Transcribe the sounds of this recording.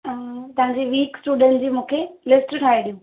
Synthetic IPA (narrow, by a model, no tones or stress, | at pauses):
t̪ɐɦãɲd͡ʑiʋiːksʈuːɖə̃nʈd͡ʑiːmũːkʰelɪsʈʈʰaːiɗijũː